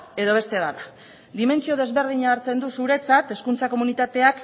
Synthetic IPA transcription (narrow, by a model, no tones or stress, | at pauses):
e̞ðo̞β̞e̞st̪e̞ðana | d̪ime̞nt͡sio̞ðe̞zβe̞ɾðiɲaːɾt͡se̞nd̪usuɾe̞t͡sat̪e̞skunt͡sako̞munit̪at̪e̞ak